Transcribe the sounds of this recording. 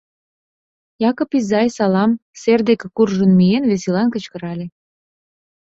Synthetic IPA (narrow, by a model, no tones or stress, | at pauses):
jɑkŏpizɑjsɑlɑmserd̪ekekurʒə̆nmienβesilɑnkə̆t͡ɕkə̆ɾɑlʲe